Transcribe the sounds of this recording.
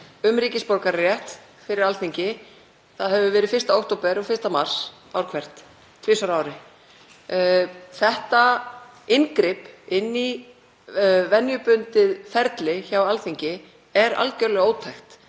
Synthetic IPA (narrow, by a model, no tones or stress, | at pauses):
ʏmɾiːcɪspoɾkaɾːjɛht̪ | fɪɾɪɾalθiɲcɪ | θaðɦɛvʏvɛːɾɪfɪrst̪aowht̪owpɛɾɔɣfɪr̥t̪amar̥s | a̰wɾ̥kʰvɛr̥t̪ | t̪ʰvɪsœɾaːwɾɪ | θɛht̪a | ɪnkɾɪpɪnːi | vɛnjʏpʏnt̪ɪðfɛɾt̪lɪçawalθiɲcɪ | ɛɾa̰lcœɾlɛɣoːwt̪ʰajxt̪